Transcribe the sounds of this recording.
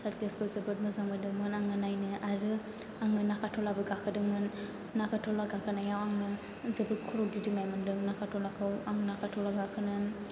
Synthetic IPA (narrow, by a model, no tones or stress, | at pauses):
saɾkeskɯzɯbɯt̚mɯzaŋmɯndɯŋmɯnaŋɯnajnɯʔaɾɯ | aŋɯnakʰatʰɔlabɯɡakʰɯdɯŋmɯnː | akʰatʰɔlaɡakʰɯnajawaŋɯ | zɯbɯkʰɔɾɔk̚ɡidɯŋnajmɯndɯŋnakʰatʰɔlakʰɯwaŋnakʰatʰɔlaɡakʰɯnɯn